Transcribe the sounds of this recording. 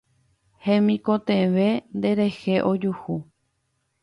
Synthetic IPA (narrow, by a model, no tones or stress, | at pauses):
hẽmĩkõt̪ẽʋe̞nd̪e̞ɾe̞heʔod͡ʒuhu